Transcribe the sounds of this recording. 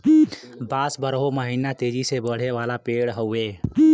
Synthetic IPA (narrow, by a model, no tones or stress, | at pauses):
baːsbəɾɦoməɦinat̪ed͡ʒisebəɽ̤eʋalapeɽɦəwe